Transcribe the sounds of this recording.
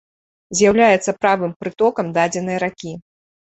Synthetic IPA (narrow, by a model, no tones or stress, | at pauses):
zʲjawlʲajɛt̪sɐpɾavɨmpɾɨt̪ɔkɐmd̪ad͡zʲɛnɐjɾakʲi